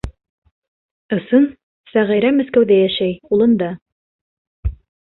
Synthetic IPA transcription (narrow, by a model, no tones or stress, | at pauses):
ɤ̆sɤn | sæʁiɾæmæ̆θkæwðæjæʃæjulˠɤ̆nd̪ɑ